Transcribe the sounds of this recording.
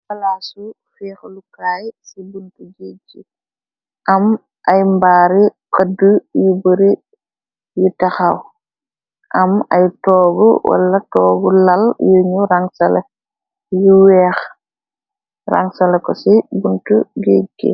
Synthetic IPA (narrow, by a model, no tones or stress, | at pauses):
bɐlasu | fɛːxlukaːjsibuntuɡeːd͡ʒi | ʔɐm | ʔɐjmbaːɾikədujubəɾi | jutɐxaw | ʔɐmɐjtɔːɡṵwʔɐ̰lːɐtɔːɡulɐljuɲuɾaŋsɐlɛ̰ | juwɛːx | ra̰ŋsɐlɛkɔsibuntuɡeɡḭ